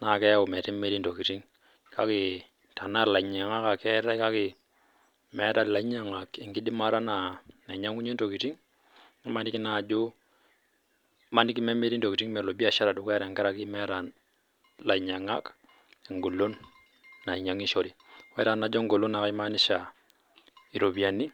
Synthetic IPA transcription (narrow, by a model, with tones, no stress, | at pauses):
na˨kɛ˦a˦o˨mɛ˨ti˦me˦ɾi˦nto˨ki˨ti˦ŋ | kʰa˦kɪ˨ | ta˨na˦ɾla˨i˨ɲa˨ŋa˦ka˨kɛ˦ɾa˦ka˦kɪ˨ | mɛ˨˦ta˨la˨i˦ɲa˦ŋa˨kɛ˨ŋɡi˦di˦ma˦ɾa˦na˨na˨ɲa˦ŋu˦ɲe˦n˦to˨ki˨ti˦ŋ | i˦ma˦ni˦ki˦na˨d͡ʒo˦ | ma˦ni˦ki˦me˦me˦ɾi˦nto˨ki˨ti˦ŋmɛ˨lo˨bi˦a˦˨ʃa˦ɾa˨du˨ka˦ɾɛ˨ŋɡɛ˦ɾa˦ki˦mɛ˦ɾa˨ | la˨i˨ɲa˨ŋa˦k | e˨ŋɡo˨lo˦nː | a˨i˨ɲa˨ŋi˦ʃo˦ɾi˨wɛ˦ta˨na˨˦d͡ʒɔ˦ŋɡo˨lo˦na˨ka˦i˦ma˦ni˦ʃa˨ | i˨ɾo˨bi˨a˨ni˦